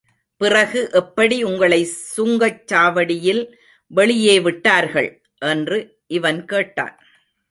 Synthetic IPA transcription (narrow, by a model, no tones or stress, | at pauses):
pɪrɐɣɯʔɛpːɐɽiʊŋɡɐɭɐɪsʊŋɡɐt͡ʃːaːʋɐɽɪjɪl | ʋɛɭɪjeːʋɪʈːaːɾɣɐ̰ɭ | ʔɛndrɯ | ʔɪʋɐnkeːʈːa̰ːn